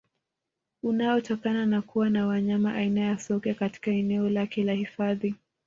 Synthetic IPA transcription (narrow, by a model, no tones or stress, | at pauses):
unaɔtɔkananakuwanawaɲamaʔainajasɔkɛkati̥kaɛnɛɔlakɛlahifaði